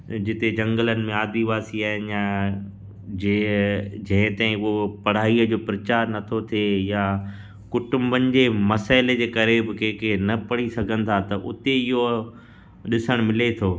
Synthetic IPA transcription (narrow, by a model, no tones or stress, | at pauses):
d͡ʑɪt̪ed͡ʑɐ̃ŋɡələnɪ̆mẽaːd̪iʋaːsiaːɦɪnja | d͡ʑed͡ʑɐ̃ɦɪ̃t̪ãɪ̃ʊɦopɐɽ̤aːiːəd͡ʑoːpɾɐt͡ɕaːɾnɐt̪ʰot̪ʰeja | kʊʈʊ̃mbənɪ̆d͡ʑeːmɐsaːɪled͡ʑeːkɐɾebɪkeːkenɐpɐɽisɐɡʱənɪ̆t̪ʰat̪ɐʔʊt̪eɪɦo | ɗɪsəɽ̃mɪlet̪ʰoː